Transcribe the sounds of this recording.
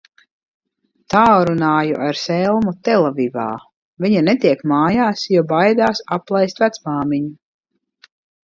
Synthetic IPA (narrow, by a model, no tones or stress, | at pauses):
t̪aːɾunaːjṵʔaɾsɛlˠmut̪ɛlˠaviva̰ː | viɲanet̪iɛkmaːjaːsjɔbajd̪aːsaplˠajst̪væt̪smaːmiɲu